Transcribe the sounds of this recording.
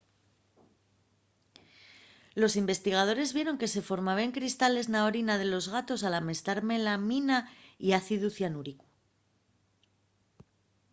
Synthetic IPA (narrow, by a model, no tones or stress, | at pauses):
lo̞simbe̞st̪iɣ̞að̞o̞ɾe̞zβje̞ɾo̞ŋke̞se̞fo̞ɾmaβaeŋkɾist̪ale̞znaoɾinað̞e̞lo̞zɣat̪o̞salame̞st̪aɾme̞laminaiaθiðuθjanuɾiku̥